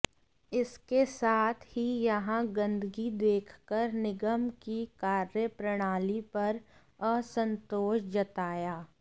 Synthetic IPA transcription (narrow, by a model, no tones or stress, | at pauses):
ɪskesaːt̪ʰhijɐɦãɡɐ̃nd̪əɡid̪eːkʰkəɾnɪɡəmkikaːɾjəpɾɐɽ̃aːlipɐɾ | əsə̃nt̪oːʃd͡ʒɐt̪aːjaː